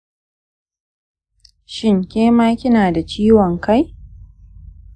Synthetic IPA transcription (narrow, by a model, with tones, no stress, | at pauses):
ʃɪ˦˨ŋkʲeː˦maː˦kʲɪ˦naː˨da˨t͡ʃiː˦wɔ˨ŋka˦j